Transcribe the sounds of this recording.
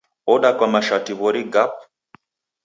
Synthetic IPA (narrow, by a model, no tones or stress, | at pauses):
ɔɗakwamaʃatiβɔɾiɡap̚